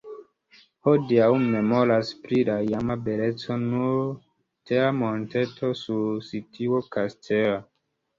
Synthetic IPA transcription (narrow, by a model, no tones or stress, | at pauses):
hodiawmːe̞mo̞ɾaspɾilajamabelet͡so̞nuɾ | teamontetʰo̞suɾsitʰiwokastʰea